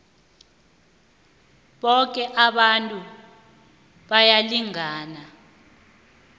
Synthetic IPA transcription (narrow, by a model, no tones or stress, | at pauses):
ɓɔk̬ʼɛʔaɓantʼu | ɓajaliŋaːna